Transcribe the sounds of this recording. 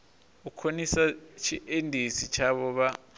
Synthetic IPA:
ukʰonisat͡ʃʰiʔendʱisit͡ʃʰaɓɔɓa

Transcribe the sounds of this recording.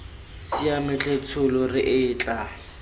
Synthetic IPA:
siamɪt͡ɬʼet͡sʰʊlɔrɪʔɪːt͡ɬʼa

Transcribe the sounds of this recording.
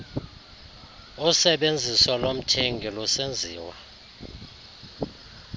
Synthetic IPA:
usɛɓend͡zʱiswɔlom̩tʰeŋɡʱilusend͡zʱiːwa̰

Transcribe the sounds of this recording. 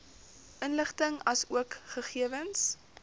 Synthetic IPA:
ʔənləχtəŋɐsuəkχəχiəvəns

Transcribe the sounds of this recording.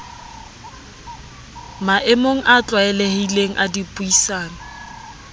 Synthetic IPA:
maʔɪmoŋ̩ʔat͡ɬʼwaɛlɛhileŋ̩ʔadipʼuisaːna

